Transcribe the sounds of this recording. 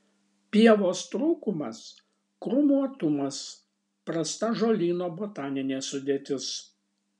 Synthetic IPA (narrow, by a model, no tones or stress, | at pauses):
pʲiɛʋoːst̪ɾuːkʊmɐs | kɾʊmuɔt̪ʊmɐs | pɾɐst̪ɐʒoːlʲiːnoːbot̪ɑːnʲɪnʲeːsʊd̪ʲeːt̪ʲɪs